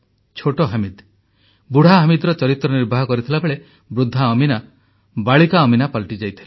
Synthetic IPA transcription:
t͡ʃʰoʈɔɦamid̪ | buɽ̤aɦamid̪ɔɾɔt͡ʃɔɾit̪ɾɔniɾbʱaɦɔkɔɾit̪ʰilabeɭe | bɾud̪ʱːaɔmina | baɭikaɔminapalʈid͡ʒajt̪ʰi̥la

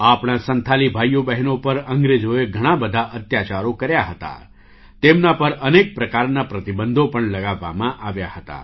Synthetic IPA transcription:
apɽ̃asənt̪ʰalibʱajobəɦɛnopəɾəŋɡɾed͡ʒoeɡʱəɽ̃abəd̪ʱaʔət̪jat͡ʃaɾokəɾjaɦət̪a̰ | t̪emnapəɾənek̚pɾəkaɾnapɾət̪ibənd̪ʱopəɳləɡaʋːa̰mãʔaʋjahət̪a̰

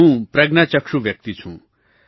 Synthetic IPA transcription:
ũpɾɐɡnat͡ʃʌkʂuʋjʌk̚t̪it͡sʰũ

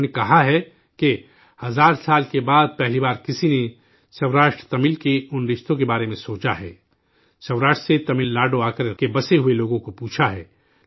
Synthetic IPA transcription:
nekɐɦaɦɛ | ke | hɐzaːɾsaːlkebaːd̪̚pɛɦlibaːɾkɪsine | sɐwɾaːʃʈɾt̪ɐmɪlkeʊnɖɪʃt̪ʰõkebaːɾemẽsoːt͡ʃaɦɛ̰ː | sɐʊɾaːʃʈɾset̪ɐmɪlnaːɖoaːkəɾkebɐseɦueloːɡõkopuːt͡ʃʰaɦɛ̰ː

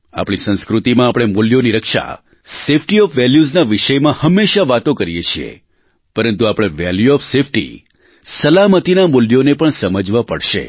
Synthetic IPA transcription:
a̰pɽ̃isə̃nskɾut̪imãːpɽ̃emuljoniɾəkʃa̰ | sefʈiɔfʋɛljuznaʋiʃəjmãhəmːeʃaʋat̪õkəɾijet͡ʃʰiḛ | pəɾənt̪uapɽ̃eʋɛljuɔfsefʰʈḭ | səlamət̪inamuljonepəɳsəməd͡ʒʋapəɽʃḛ

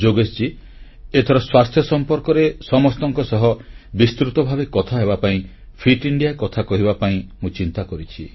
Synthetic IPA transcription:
d͡ʒoɡest͡ʃi | et̪ʰɔɾɔswast̪ʰjɔsɔmpɔɾkɔɾesɔmɔst̪ɔŋkɔsɔɦɔbist̪ɾut̪ɔbʱabekɔt̪ʰaɦebapaĩ | pʰiʈiɳɖijakɔt̪ʰakɔɦibapaĩmũt͡ʃint̪akɔɾit͡ʃʰi

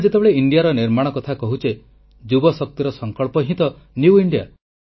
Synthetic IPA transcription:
d͡ʒet̪ebeɭeiɳɖijaɾɔniɾmaɽ̃ɔkɔt̪ʰakɔɦut͡ʃe | d͡ʒubɔsɔk̚t̪iɾɔsɔŋkɔɭpɔɦĩt̪ɔ | njuiɳɖija̰

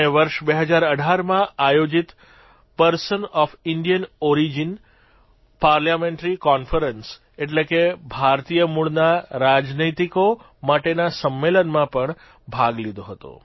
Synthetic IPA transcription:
eʋəɾʃbeɦəd͡ʒaɾəɖʱaɾmãajod͡ʒit̪ | pəɾsənɔfɪɳɖijənɔɾid͡ʒin | paɾljamẽɳʈɾikɔnfəɾəns | eʈ̬lekebʱaɾt̪ijəmuɭnaɾad͡ʒnət̪iko | maʈenasəmːelənmãpəɳ | bʱaɡlid̪ʱoɦət̪o̰

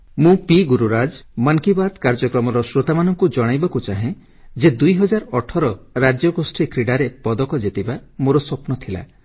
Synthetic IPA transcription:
mũpiɡuɾuɾad͡ʒmaŋkibad̪kaɾd͡ʒɔkɾɔmɔɾɔsɾot̪amanɔŋkud͡ʒɔɽ̃ajbakut͡ʃaɦẽ | d͡ʒed̪ujɦɔd͡ʒaɾɔʈʰɔɾɔɾad͡ʒjɔɡosʈʰikɾiɽaɾepɔd̪ɔkɔd͡ʒet̪ibamoɾɔsɔpnɔt̪ʰila̰

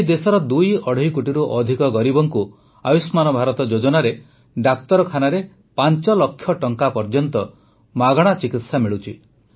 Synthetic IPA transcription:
ed̪esɔɾɔd̪ujɔɽ̤ijkuʈiɾuʔɔd̪ʱikɔɡɔɾibɔŋku | abismanɔbʱaɾɔt̪ɔd͡ʒod͡ʒɔnaɾe | ɖakt̪ɔɾɔkʰanaɾe | pant͡ʃɔlɔkʰːjɔʈɔŋkapɔɾd͡ʒɔnt̪ɔ | maɡɔɽ̃at͡ʃikit̪samiɭut͡ʃʰi

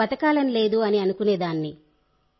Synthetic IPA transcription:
ɐt̪ɐkaːlɐnle̞ːd̪uɐniɐnukuneːd̪aːnːi

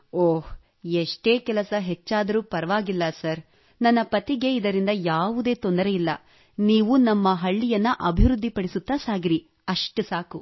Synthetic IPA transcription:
oːh | eʂʈe̞ːkɛlɐsɐɦet͡ʃːaːd̪ɐɾuːpɐɾɐʋaːɡilːɐsɐɾ | nɐnːɐpɐt̪iɡe̞id̪ɐɾind̪ɐjaːʋud̪e̞ːt̪ond̪ɐɾe̞ilːɐ | niːʋunɐmːɐɦɐɭːijɐnːɐʔɐbʱiʋɾud̪ʱːipɐɽisut̪ːaːsaːɡiɾi | ɐʂʈusaːku

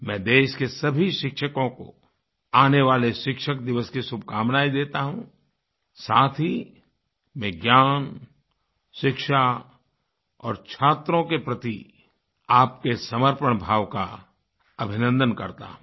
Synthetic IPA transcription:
mɛ̃ːd̪eːʃkesɐbʱiʃɪkʃəkõko̰ | aːneʋaːleʃɪkʃək̚d̪ɪʋəskisʊb̚ʱkaːmnaːid̪eːt̪aɦũ | saːt̪ʰɦi | mɛ̃ːɡjaːn | ʃɪkʃa | ɔːɾt͡ʃʰaːt̪ɾõkepɾɐt̪i | aːp̚kesɐməɾpəɽ̃bʱaːʋka̰ | ɐbʱɪnə̃nd̪ənkɐɾt̪a̰ːɦ

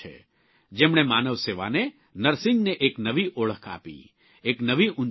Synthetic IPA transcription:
ḛ | d͡ʒeːmɳ̃emaːnəʋseːʋa̰ne | nəɾsɪ̃ŋɡneʔeːknəʋiʔoːɭ̤əkʰa̰ːpḭ | eːknəʋiʔʊn

